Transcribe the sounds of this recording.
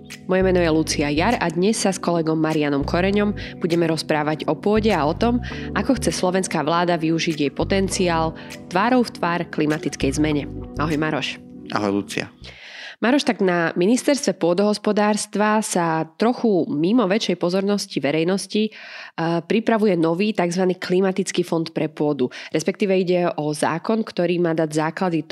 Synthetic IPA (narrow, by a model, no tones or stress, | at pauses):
mɔjɛmɛnɔjɛlut͡siajaɾad̪ɲɛsːaskɔlɛɡɔmːaɾianɔmkʰɔɾɛɲɔmb̥uɟɛmɛɾɔspɾaːʋaɟɔpʊɔɟɛaɔt̪ɔmakɔxt͡sɛslɔʋɛnskaːʋlaːd̪aʋiuʒiɟjɛjpɔt̪ɛnt͡siaːl | t̪ʋaːɾɔʊft̪ʋaːɾklimat̪it͡skɛjzmɛɲɛaɦɔjmaɾɔʃ | a̰ɦɔjlṵt͡sḭa̰ | maɾɔʃt̪aɡnaminist̪ɛɾst̪ʋɛpʊɔd̪ɔɦɔspɔd̪aːɾst̪ʋasat̪ɾɔxumimɔʋɛt͡ʃɛjpɔzɔɾnɔsciʋɛɾɛjnɔsci | pɾipɾaʋujɛnɔʋiːt̪aɡzʋaniːklimat̪it͡skiːfɔnt̪pɾɛpʊɔd̪uɾɛspɛk̚t̪iːʋɛiɟɛɔza̰ːkɔnkt̪ɔɾiːmaːd̪aɟzaːklad̪i